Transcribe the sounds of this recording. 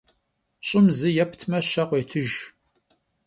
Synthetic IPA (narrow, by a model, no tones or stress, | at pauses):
ɕʼɪmzɨjɛpʰtʰmɐɕɐqʷeːtʰɨʒ